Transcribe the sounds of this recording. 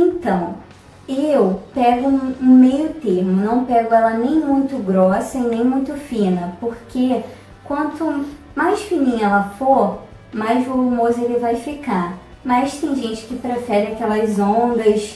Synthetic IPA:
ẽnt̪ɐ̃w̃ | ewpɛɡʊũmejʊt̪ehmʊnɐ̃w̃pɛɡʊɛlɐnẽj̃mũj̃t̪ʊɡɾɔsɐĩnẽj̃mũj̃t̪ʊfĩnɐpoɾke | kwɐ̃nt̪ʊ | majsfinĩɲɐɛlɐfoɾ | majzvolumozɐelɪvajfika | mɐst̪ẽj̃ʒẽnt͡ʃɪ̥kɪpɾefɛɾɪakɛlɐzõnd̪ɐs

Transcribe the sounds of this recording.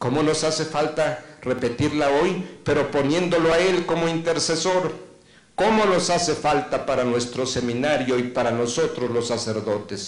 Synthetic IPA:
ko̞mo̞no̞sase̞falt̪are̞pe̞t̪iɾlao̞jpe̞ɾo̞po̞nje̞nd̪o̞lo̞ae̞lko̞moint̪e̞ɾse̞so̞ɾ | ko̞mo̞no̞sase̞falt̪apaɾanwe̞st̪ɾo̞se̞mĩnaɾjo̞ipaɾano̞so̞t̪ɾozlo̞sːase̞ɾðo̞t̪es

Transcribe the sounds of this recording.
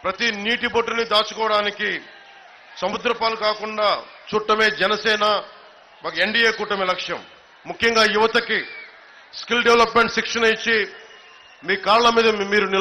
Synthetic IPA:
pɾɐt̪iniːʈiboʈːunid̪aːt͡ʃu̥kɔːɐɽaːniki | sɐmud̪ɾɐpaːlukaːkuɳɖaːt͡ʃuːʈːɐme̞ːd͡ʒɛnɐsɛːnɐ | ʋɐkɐeɳɖiːeːkuːʈːɐmelɐkʂjɐ̰mː | ukʰjɐŋɡaːjuʋɐt̪ɐki | skilɖeʋelɐpme̞ɳʈsikʂɐnɐjit͡ʃːi | miːkaːɾɐɭɐmiːd̪ɐmiːɾuni

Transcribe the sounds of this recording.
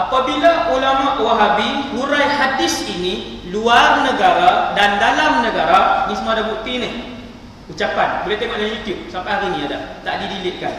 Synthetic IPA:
ʔapabilaʔulamaʔuwaɦabihuɾajɦadɪsiniluarnəɡaɾadandalamnəɡaɾanĩsəmaɾabuʔ̚t̪inɪh | ut͡ʃapanbolɛht̪eŋɔʔdajajut̪jub̚sampaɦaɾinĩadaht̪aʔdidilɪʔ̪̚kan

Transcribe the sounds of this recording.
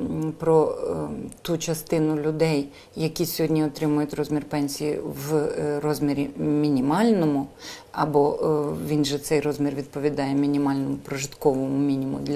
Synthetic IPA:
pɾɔ | t̪ut͡ʃɐst̪ɪnʊlʲʊd̪ɛj | jɐkʲisʲɔɦɔdʲnʲiɔt̪ɾɪmʊjʊt̪ʲrɔzʲmʲirpɛnʲsʲijiʋrɔzʲmʲiɾʲimʲinʲimɑlʲnɔmʊɐbɔʋʲinʒɛt̪sɛjrɔzʲmʲirʋʲid̪̚pɔʋʲid̪ɑjɛmʲinʲimɑlʲnɔmʊpɾɔʒɪt̪kɔʋɔmʊmʲinʲimʊ̰d̪lʲ

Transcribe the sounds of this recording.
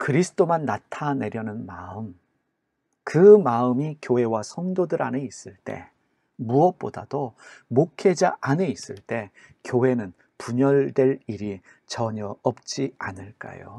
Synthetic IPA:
kɯɾisʰɯ̥t͈omanːatʰane̞ɾjʌnɯnmaɯm | kɯmaɯmikjoɦe̞wasʰʌŋdodɯɾa̰ne̞is͈ɯɭt͈e̞̰ | muʌp͈odad̥omokʰe̞d͡ʑaʔane̞is͈ɯɭt͈e̞ | kjoɦe̞nɯn | puɲʌɭdwe̞ɭiɾi | t͡ɕʌɲʌʌp̚t͡ɕ͈ianɯɭk͈a̰jo̰

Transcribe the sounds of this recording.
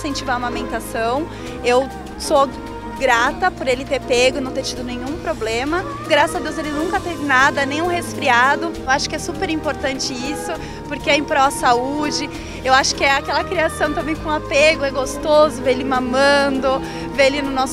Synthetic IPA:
sẽnt͡ʃivamamẽnt̪asɐ̃w̃ | ew | so | ɡɾat̪ɐpoɾelɪt̪eɾpeɡʊnɐ̃w̃t̪eɾt͡ʃid̪ʊnẽɲũpɾoblẽmɐ | ɡɾasɐzad̪ewzelɪnũŋkɐt̪evɪnad̪ɐnẽj̃ũhesfɾiad̪ʊewaʃʊ̥kɪɛsupeɾĩmpoɾt̪ɐ̃nt͡ʃɪisʊ | poɾkeɛẽpɾɔɐsaud͡ʒɪ | ewaʃʊ̥kɪɛakɛlɐkɾiasɐ̃w̃t̪ɐ̃mbẽj̃kõapeɡʊɛɡost̪ozʊveelɪmãmɐ̃d̪ʊ | veelɪnʊnɔs

